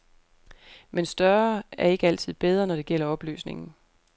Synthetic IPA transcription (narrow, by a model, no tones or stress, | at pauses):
mensd̥ɶɐæɐe̝ɡ̥əæl̰t͡sʰið̞̰ˠb̥eð̞ˠʁɐnɒɾ̥e̝ɡ̥el̰ɐɒ̽b̥ly̰ːsne̝ŋn̩